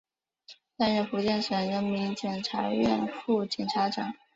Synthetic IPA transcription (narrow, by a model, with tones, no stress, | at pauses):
t̪a˥˧nɻə˥˩fu˧˥t͡ɕjɛ˥˩nʂə˨˩ŋɻə˧˥nmi˧˥ŋt͡ɕjɛ˨˩nʈ͡ʂʰa˧˥ɥɛ̰˥˧nfu˥˩t͡ɕjɛ˨˩nʈ͡ʂʰa˧˥ʈ͡ʂɑ˨˩˦ŋ